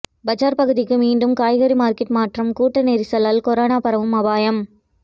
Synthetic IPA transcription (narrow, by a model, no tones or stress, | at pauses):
bɐd͡ʒaːɾpɐɣɯðɪkːɯmiːɳɖɯmkaːjɣɐɾimaːɾkɪʈmaːʈrɐmkuːʈːɐneːɾisɐlːaːlkɔɾoːnaːpɐɾɐʋɯmɐbaːjɐm